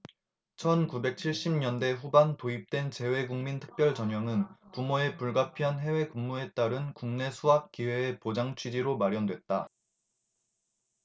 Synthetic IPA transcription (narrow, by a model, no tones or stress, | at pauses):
t͡ɕʰʌnkube̞k̚t͡ɕʰiɭɕ͈imɲʌnde̞ɸubantoip̚t͈we̞nt͡ɕe̞we̞ɡuŋmintʰɯ̥k̚p͈jʌɭt͡ɕʌɲjʌŋɯnpumoe̞puɭɡapʰiɦanɦe̞we̞kuŋːue̞t͈aɾɯnkuŋne̞sʰuɦap̚k͈iwe̞ːpod͡ʑaŋt͡ɕʰɥid͡ʑiɾomaɾjʌndwe̞t̚t͈a